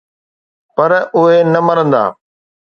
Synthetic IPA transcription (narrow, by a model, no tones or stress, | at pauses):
pɐɾʊɦenɐmɐɾə̃nd̪a̰ː